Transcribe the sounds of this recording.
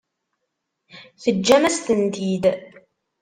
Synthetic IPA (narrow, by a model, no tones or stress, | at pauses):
θəd͡ʒːæmæst̪ənt̪id̪